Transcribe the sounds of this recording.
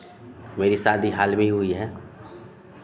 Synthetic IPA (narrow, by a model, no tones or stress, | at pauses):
meːɾisaːd̪ʱiɦaːlbʱiɦʊiɦɛː